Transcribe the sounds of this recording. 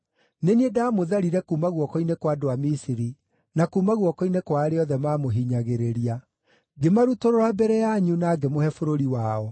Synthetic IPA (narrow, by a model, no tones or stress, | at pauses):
neniedamoðaɾiɾɛkumaɣwɔkɔinekwadoamisiɾi | nakuːmaɣwɔkɔinekwaːɾeɔðɛmamoɦiɲaɣeɾeɾia | ɡemaɾutoɾoɾabɛɾɛjaɲunaːɡemohɛfoɾoɾiwaːɔ